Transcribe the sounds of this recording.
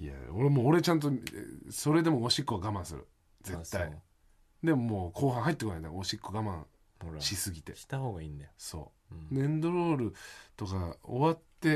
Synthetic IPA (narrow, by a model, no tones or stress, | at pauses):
ia̰oɾemoːɾe̞t͡ɕãnt̪̬oso̞ɾe̞d̪e̞mo̞oɕikːoaɡamãɰ̃sɨɾɯ̰ | d͡ze̞t̪ːai | d̪e̞momoːkʰo̞ːɦãɰ̃ɦait̪ːkonaiaoɕikːoɡamã̰ɰ̃ | ɕisɨɡʲit̪e̞̰i̥t̪ahoːɡaineso̞̰ː | nẽ̞nd̪o̞ɾo̞ːɾɯ̟t̪o̞kao̰βat̪ːe̞